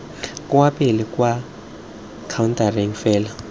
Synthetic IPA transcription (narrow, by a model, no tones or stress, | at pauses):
kʼuwapʼilɛkʼwa | kʰawuntʼarɛŋfɛːla